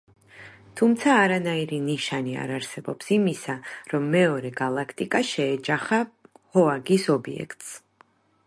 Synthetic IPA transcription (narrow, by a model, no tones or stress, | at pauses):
t̪ʰumt̪sʰaːɾanaiɾiniʃania̰ɾaɾsɛbɔpsimisaɾɔmːɛɔɾɛɡalˠakʰt̪ʼikʼaʃɛːd͡ʒaχahɔaɡisɔbiɛ̰kʰt̪ʼs